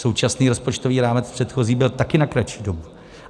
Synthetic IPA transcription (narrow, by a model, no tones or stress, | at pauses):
sowt͡ʃasniːɾo̞spo̞t͡ʃt̪o̞viːɾaːmɛt͡spr̥ɛt̪xo̞ziːbɪlt̪akɪnakɾat͡ʃiːdo̞bu